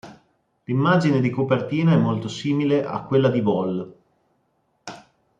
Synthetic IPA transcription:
limːaːd͡ʒined̪ikopert̪iːnaɛmːolt̪osiːmileʔa̰kːwelːad̪ibɔl

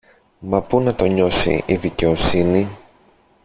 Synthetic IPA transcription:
mɐpunɐt̪o̞ɲo̞sḭʔiðice̞o̞sini

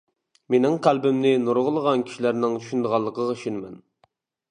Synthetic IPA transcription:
menɪŋqʰælbɪmnɪnoɾʁəlˠəʁɑnkʲʰi̥ʃilæɾnɪŋt͡ʃʰy̥ʃynd̪əʁɑlˠːəqʰəʁɑʃynɪmɛn

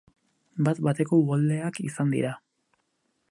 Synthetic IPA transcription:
bat̪bat̪e̞ko̞βold̪e̞akisand̪ḭɾa

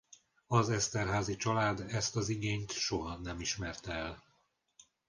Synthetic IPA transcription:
ɒzɛst̪ɛrɦaːzit͡ʃɒlaːd̪ɛst̪ɒziɡeːɲt̪ʃo̞ɦɒnɛmiʃmɛrt̪ɛɛl

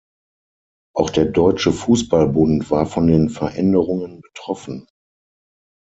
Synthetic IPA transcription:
ʔaʊxd̥eːɐdɔʏt͡ʃəfuːsb̥albʊntv̥aːɐfɔndeːnfɛɐʔɛ̰ndəʁʊŋənbətʁ̥ɔfn̩

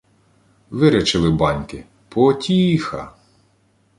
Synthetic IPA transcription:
ʋɪɾʲɛt͡ʃɪlˠɪbɑnʲkɪ | pɔtʲixɐ̰

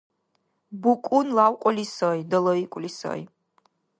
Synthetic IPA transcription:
bukʼunlawkʷʼɔlisɔjd̪əlɔikʼlisɔ̰j̰

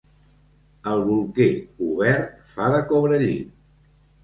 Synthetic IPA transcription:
əlˠβulˠkeuβɛɾt̪faðəkoβɾəʎḭ

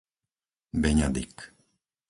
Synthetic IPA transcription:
bɛɲad̪ik

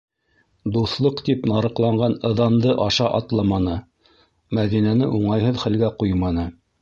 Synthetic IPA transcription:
d̪uθlˠɤqt̪ipnɑɾɤ̆qlˠɑɴɢɑnɤ̆ðɑnd̪ɤʔɑʃɑʔɑt̪lˠɑmɑnɤ | mæðinænɘʔuɴɑjɦɤðχælɡæqujmɑnɤ

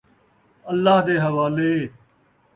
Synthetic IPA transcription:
əlːaːɦd̪eːɦəʋaːleː

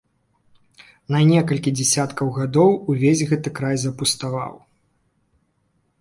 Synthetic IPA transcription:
nɐnʲɛkɐlʲkʲid͡zʲɛsʲat̪kɐwɣad̪ɔwuvʲezʲɣɛt̪ɨkɾajzɐpust̪ava̰w

